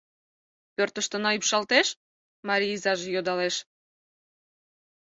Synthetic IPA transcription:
pørt̪əʃt̪ənɑypʃɑlt̪eʃ | mɑɾʲiizɑʒejod̪ɑleʃ

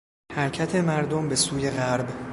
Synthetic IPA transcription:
hæɾcʰæt̪ʰe̞mæɾd̪ombe̞suːje̞ɣæɾb

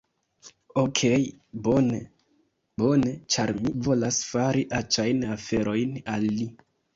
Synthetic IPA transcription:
okʰejbone | bo̞net͡ʃaɾmivo̞lasfaɾiʔat͡ʃajnafe̞ɾʔo̞jnalːi

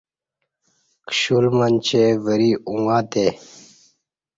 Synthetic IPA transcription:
kɕulmənʲt͡ɕevəɾiuŋɡaːt̪e

